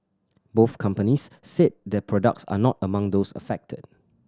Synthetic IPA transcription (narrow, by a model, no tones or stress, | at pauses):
boθkʰãmpənisːet̚dɛpʰɹɔdə̰k̚tsa̰nɔtəmãŋd̪osə̰fɛk̚tʰəd̚